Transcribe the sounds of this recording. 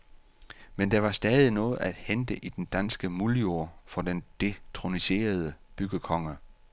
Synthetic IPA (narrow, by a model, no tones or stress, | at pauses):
mend̥ɑ̈ʋɑ̈sd̥ɛːðˠinɔ̽ːð̩ˠæd̥hend̥əʔid̥end̥ænsɡ̥əmuljo̝ɐ̰fɒ̽d̥end̥e̝t͡sʰʁo̝nise̝̰ːɐð̞ˠəb̥yɡ̥əkʰɒ̽ŋɐ